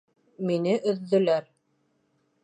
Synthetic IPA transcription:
minɘʔɵ̆ðːɵ̆læɾ

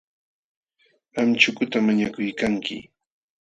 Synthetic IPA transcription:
amt͡ʃʊkʊt̪amaɲakʊjkaŋkɪ̰

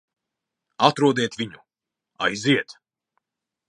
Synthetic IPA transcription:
at̪ɾuɔd̪ɛɛt̪vʲiɲu | a̰jziɛt̪

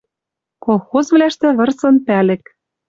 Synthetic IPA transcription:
kolˠxozvlæʃt̪ĕβɤ̆rsɤ̆npælɘ̆k̚

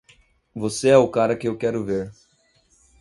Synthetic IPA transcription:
voseɛʊkaɾɐkɪewkɛɾʊveɾ

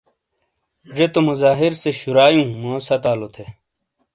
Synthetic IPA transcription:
d͡ʑet̪omuzaːɦiɾseɕuɾaːjũːmõːsɐt̪aːlot̪ʰe

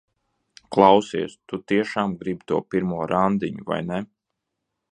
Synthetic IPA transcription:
klˠɑwsiɛst̪ut̪iɛʃaːmɡɾibʲit̪uɔpiɾmuɔɾʔand̪iɲuva̰jnɛ

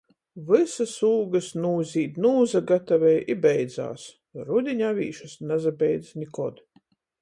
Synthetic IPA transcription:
vɨsasuːɡɐsnuːzʲiːt̪nuːzaɡat̪avʲɛjibɛjd̪za̰ːs | ɾud̪ʲiɲʲavʲḭːʃasnɛzabʲɛjd̪znʲikɔd̪

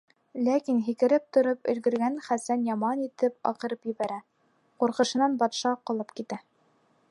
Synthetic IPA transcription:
lækinɦikɘ̆ɾɘp̚t̪ŏɾɤpɵ̰̆lɡɵ̆ɾɡænχæsænjɑmɑnit̪ɘp̚ɑ̰qɤ̆ɾɤpjɘ̆βæɾæ | quɾqɤ̆ʃɤ̆nɑnbɑt̪ʃɑqɑ̆lˠɤp̚kit̪æ

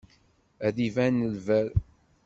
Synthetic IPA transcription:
æðivænːəlvæɾ

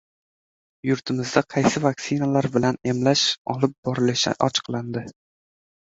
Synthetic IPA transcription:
jʊɾt̪ʰɪmɪzd̪aqʰɑjsɪvaksɪnalaɾbɪlane̞mlaʃɒlɪp̚bɒɾɪlɪʃɪ̰ʔɒt͡ʃʰɨ̥qlˠand̪ɪ

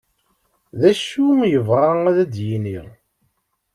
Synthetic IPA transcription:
ðæʃujəvʁaæðæd̪jiniʁ

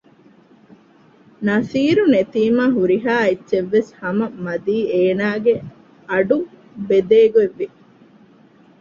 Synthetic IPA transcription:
nɐsiːɾunet̪iːmaːɦuɾiɦaːetːʃeʋːeshɐmɐmɐd̪iːeːnaːɡe | ɐɖu | bed̪eːɡueʋːi

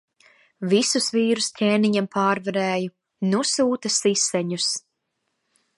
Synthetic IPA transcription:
visusviːɾuscʲeːniɲampʰaːɾvaɾɛːju | nusuːt̪asisɛɲus

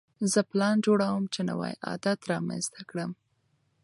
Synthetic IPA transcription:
zəplɑnd͡ʒoɽawəmt͡ʃena̰wa̰jɑ̰d̪at̪ɾɑma̰nzt̪akɽəm

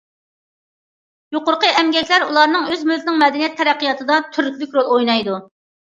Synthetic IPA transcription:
joqʊɾqəɛmɡʲɛkʲlæɾulˠɑɾnɨŋøzmylt̪ɪnɪŋmɛd̪ɛnijɛt̪ʰːɛɾæqʰːijɑt̪ʰɨd̪ɑt̪ʰyɾk̚ʲbykʲɾolˠojnɑjd̪u

